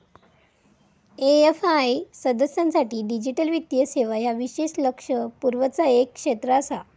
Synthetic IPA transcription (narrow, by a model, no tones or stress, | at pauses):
eefajsəd̪əsjãnsaʈiːɖid͡ʑiʈəlʋit̪jəseʋaɦjaʋiɕeɕləkʂəpuɾʋət͡saekːʂet̪ɾəsa